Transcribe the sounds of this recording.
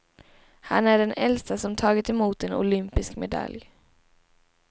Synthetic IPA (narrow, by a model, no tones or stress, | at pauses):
ha̰næɖɛnʔɛlst̪asɔmt̪ʰɑːɡɪt̪ɛmuːt̪ɛnʊ̰lʏmpɪskmɛd̪a̰lj